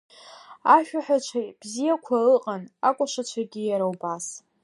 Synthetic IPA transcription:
aʃᶣaħᶣat͡ʃʷʰab̥zijakʷʰaɨqʼanakʷʼʊʂat͡ʃʷʰaɡʲijaɾawbas

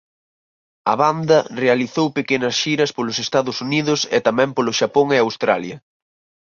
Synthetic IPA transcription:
ɐ̰βand̪ɐrealiθowpekenɐsʃiɾɐspolʊsest̪aðʊsuniðʊsḛt̪amɛ̃mpolʊʃapoŋeawst̪ɾaljɐ

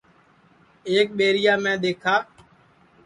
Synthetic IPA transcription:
eːk̚ɓeːɾɪjaːmɛ̃ːɗ̪eːkʰaː

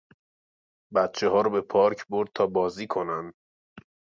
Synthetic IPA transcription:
bæt̪̚t͡ʃʰe̞ɦɒːɾɔbe̞pʰɒːɾkʰbo̞ɾd̪̚t̪ʰɒːbɒːziːkʰo̞nænd̪

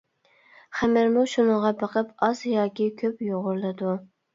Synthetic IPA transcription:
χæmɪɾmuʃunəʁɑbɑqʰəpɑzjɑːkʲikʲʰøpjoʁʊɾlˠɨd̪u

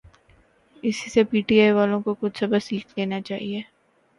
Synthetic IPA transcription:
ɪsisepiːʈiaːiʋaːlõkokʊt͡ʃʰsɐbəsiːkʰleːnat͡ʃaːɦieː

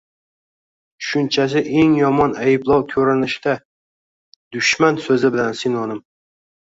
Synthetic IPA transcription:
ʃʊnt͡ʃʰas̬ɪʔeŋjɒmɒnajɪblˠɒwkʲʰɵɾɪnɪʃd̪a | d̪̥ʊʃmansɵzɪbɪlansɪnɒnɪm

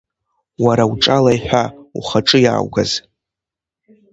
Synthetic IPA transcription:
waɾawʈ͡ʂʼalajħᶣʷauχaʈ͡ʂʼɨja̰ːwɡaz

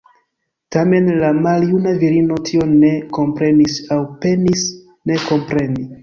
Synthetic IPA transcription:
tame̞nlamaljunaviɾino̞tʰio̞ne̞ko̞mpɾe̞nisawpenis | ne̞ko̞mpɾe̞ni

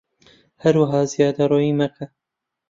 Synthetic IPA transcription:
hɐɾwɐɦɑːzijɑːd̪ɐɾoːjiːmɐkʰɐ

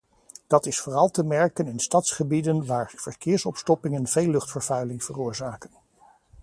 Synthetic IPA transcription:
d̥ɑtɪsfoːrɑlˠtəmɛɹkənɪnstɑtsχəbidənʋaːɹv̥əɹkɪːɹsɔpstɔpɪŋənv̥ejlɵχtfəɹvœɥlɪŋv̥ərʊːɹzaːkən

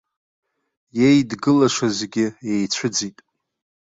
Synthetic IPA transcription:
jejdɡɨlaʂazɡʲɪjejt͡ɕʷʰʊd͡zitʼ

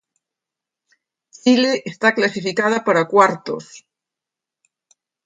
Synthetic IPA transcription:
t͡ʃileʔest̪aklasifikað̞apaɾakwaɾt̪o̰s

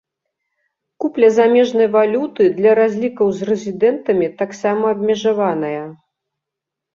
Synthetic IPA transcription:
kuplʲɐzamʲɛʐnɐjvalʲut̪ɨd̪lʲɐɾazʲlʲikɐwzrɛzʲid̪ɛnt̪ɐmʲit̪aksamɐːbmʲɛʐavanɐjɐ

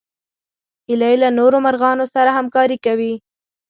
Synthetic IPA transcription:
ɪlajlanoɾomaɾɣɑnosaɾaɦamkɑɾikawi

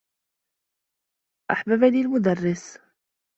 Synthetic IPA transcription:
ʔaħbabalilmʊd̪arˤːɪs

